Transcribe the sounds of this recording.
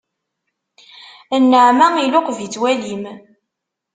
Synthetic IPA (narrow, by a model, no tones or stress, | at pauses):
ənːəʕmæilʊqvit͡sːwælim